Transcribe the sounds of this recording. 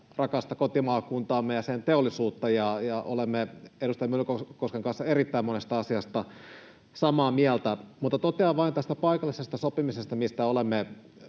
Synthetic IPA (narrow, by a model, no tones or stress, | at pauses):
rɑkɑst̪ɑkot̪imɑːkunt̪ɑːmːejɑsent̪eolːˑisuːt̪ːɑjɑjɑʔo̰lemːeedust̪ɑjɑmyløkokoskeŋkɑnsːɑerit̪ːæimonest̪ɑɑsiɑst̪ɑ | sɑmɑːmiælt̪æmut̪ːɑt̪ot̪eɑʋʋɑint̪æst̪æpɑikɑlːisest̪ɑsopimisest̪ɑmist̪æolemːe